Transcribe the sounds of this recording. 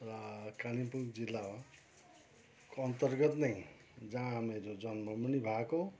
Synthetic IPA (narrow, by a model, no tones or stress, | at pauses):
rʌkaɽipukd͡zilːa | koʌnt̪ʌrɡʌt̪nʌj | d͡zãmeɾod͡zʌnmʌmunibʱako